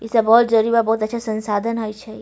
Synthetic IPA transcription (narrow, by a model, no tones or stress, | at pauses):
ɪsebɔːt̪̚d͡ʒəɾibabɔːt̪ətːʃʰasə̃nsaːd̪ʱənɦojt͡ʃʰɛ